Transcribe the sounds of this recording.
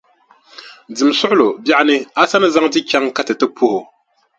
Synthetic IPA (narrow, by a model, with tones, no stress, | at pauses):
dɨ˨msʊ˦ʔʊ˦lo˨ba˦ʔnɨ˦a˦sa˦nɨ˦za˦ŋdi˦ka˦ŋka˦tɨ˨tɨ˦pu˦hʊ˨